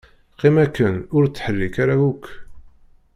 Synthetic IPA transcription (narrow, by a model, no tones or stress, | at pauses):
qːimækːənʊɾt͡sːħəlːikaɾawukʰː